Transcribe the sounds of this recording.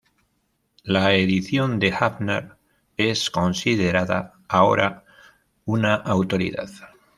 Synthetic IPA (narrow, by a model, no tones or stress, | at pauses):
laeðiθjo̞nd̪e̞xaβna̰ɾ | e̞sko̞nsiðe̞ɾaða̰ː | o̞̰ɾa | unaʔawt̪o̞ɾḭða̰ð